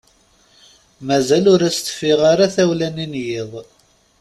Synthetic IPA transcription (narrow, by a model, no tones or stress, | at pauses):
mæzælʊɾæst̪ːə̥fːiʁaɾaθæwlæninjɪðˤ